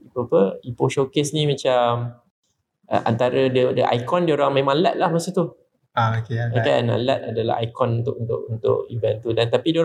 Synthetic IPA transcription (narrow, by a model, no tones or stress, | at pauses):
ipuapəipoʃokesnĩmãt͡ʃam | ʔə̰ʔa̰nt̪aɾədədəʔa̰jkɔndioɾaŋmẽmãŋlɛt̪̚lahmasit̪u | aokeakaja̰na̰lɛt̪̚a̰dala̰ɦa̰jkɔnunt̪ʊʔunt̪ʊ̰ʔunt̪ʊ̰ʔivɛnt̪udant̪apidioɾ